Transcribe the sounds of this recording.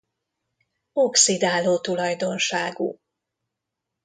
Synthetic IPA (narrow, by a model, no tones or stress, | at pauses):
oksid̪aːloːt̪ulɒjd̪o̞nʃaːɡṵ